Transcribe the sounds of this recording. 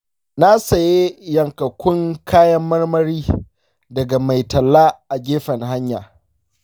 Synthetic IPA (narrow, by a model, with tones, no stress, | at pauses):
na˦sɐ˨je˦jɐ˨ŋkɐ˨kʷʊ˦ŋkʰaː˦jɐ˦mːɐ˦rmɐ˦ɾiː˦ | dɐ˨ɡa˨ma˨jtɐ˨lːaː˦ʔa˨ɡʲeː˦ɸɐ˨ŋɦa˦ɲja̰ː˨